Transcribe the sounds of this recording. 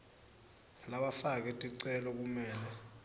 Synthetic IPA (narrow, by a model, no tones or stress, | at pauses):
laɓafak̬ɛtʼiǀɛlɔk̬umɛːlɛ